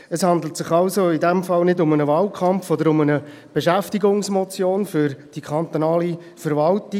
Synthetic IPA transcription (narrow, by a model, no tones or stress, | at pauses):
əshɑnd̪l̩ətsɪχɑʊsoidɛmfɑlnɪdʊmənəvɑːlkʰɑmfɔd̪əɾʊmənə | b̥eʃæftiɡʊŋsmɔt͡sjoːnfʏɾd̥ikʰɑnt̪onɑːli | fəɾʋɑltɪ